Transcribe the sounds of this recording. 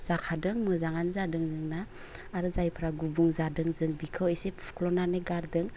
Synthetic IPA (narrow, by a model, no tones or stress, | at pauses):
z̥akʰadɯŋmɯzaŋanzadɯŋzɯŋnaː | ɾɯzajpʰɾaɡubuŋzadɯŋzɯŋbikʰɯwesepʰkʰlɔnaneɡaɾdɯŋ